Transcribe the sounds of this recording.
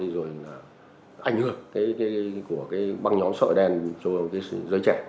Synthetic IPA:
ɗi˧zo˨˩jlaː˨˩ | ʔa̰˧jŋ̟hɨ˧˩əkaː˨˦jkaː˨˦jku˧˩əkaː˨˦jɓa˧ŋɲɔ˨˦msə̰ː˧˨ɗɛ˧nt͡ɕɔ˧kaː˨˦jzəː˨˦jt͡ɕɛ˧˩˨

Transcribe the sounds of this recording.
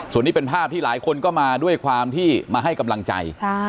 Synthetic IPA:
su˨˩ənːiː˥˩pe˧npʰaː˥˩p̚t̪ʰiː˥˩laː˩˦jkʰo˧nkɔː˥˩maː˧du˥˩əjkʰwaː˧mt̪ʰiː˥˩maː˧ɦa˥˩jka˧mla˧ŋt͡ɕa̰˧jʰ

